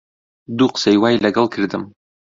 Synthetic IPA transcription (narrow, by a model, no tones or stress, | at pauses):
d̪uqsæjwajlʲæɡɤlˠkiɾd̪ɘm